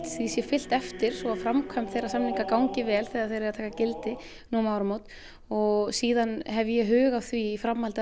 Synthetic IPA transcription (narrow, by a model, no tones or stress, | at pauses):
t̪θisjɛfɪl̥t̪ɛft̪ɪɾ̥sɔafɾamkʰœmt̪θejrasamniŋkakaːwŋcɪvɛːlθɛɣaðθejɾeɾat̪ʰaːkacɪlt̪ɪ | nuːmawɾʏmoːwt̪ | ɔɣsiːðanɦɛvjɛɦʏːɣawθviːfɾamhalt̪a